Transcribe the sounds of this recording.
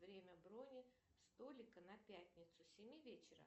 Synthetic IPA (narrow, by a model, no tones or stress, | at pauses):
vɾʲemʲəbɾonʲɪ | st̪olʲɪkənɐpʲætʲnʲɪt̪sʊsʲɪmʲivʲet͡ɕɪɾə̰